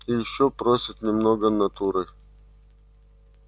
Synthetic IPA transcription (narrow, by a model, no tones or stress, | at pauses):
ɪjɪɕːopɾosʲɪt̪nʲɪmnoɡənɐt̪uɾɨ